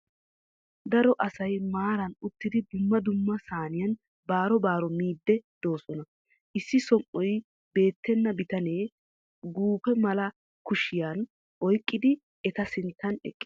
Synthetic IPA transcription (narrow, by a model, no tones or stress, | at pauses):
d̪ɐɾɔʔɐsɐjmaːɾɐnʊt̪ːɪd̪ɪd̪ʊmːɐd̪ʊmːɐsaːnɪjɐn | baːɾɔbaːɾɔmiːd̪ːɛd̪̥o̞ːsɔnɐ | ʔɪsːɪsɔmʔɔj | be̞ːt̪ːɛnːɐbɪt̪ɐne̞ː | ɡuːpːɛmɐlɐ | kʊʃɪjan | ʔɔjkʼːɪd̪ɪ | ɛt̪ɐsɪnt̪ːɐnɛ̰kʼːɪ